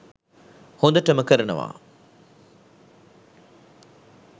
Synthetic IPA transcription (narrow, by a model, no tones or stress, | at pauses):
hund̪ɐʈəməkəɾənəʋa̰ː